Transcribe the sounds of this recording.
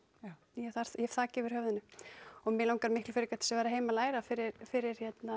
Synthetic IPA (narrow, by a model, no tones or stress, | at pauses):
jɛθaɾ̥θjɛ̥θaːcɪvɪɾ̥hœvðʏnːʏɔɣmɪlawŋkaɾmɪhklʏfɪɾɪɾkaht̪ɪ̥sɛvajɾaɦeːjmalaːjɾafɪɾɪɾfɪɾɪɾ̥çɛt̪na